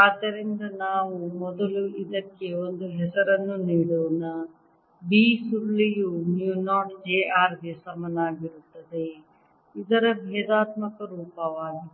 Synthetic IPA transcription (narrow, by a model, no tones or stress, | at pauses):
aːt̪ɐɾind̪ɐnaːʋumɔd̪ɐluʔid̪ɐkːe̞ond̪uɦɛsɐɾɐnːuniːɽuʋɐnɐ | biːsulːijunjuːnaːʈd͡ʒeːʔaːɾɡesɐmɐnaːɡiɾut̪ːɐd̪e̞ | id̪ɐɾɐbʱɛːd̪aːt̪mɐkɐɾuːpɐʋaːji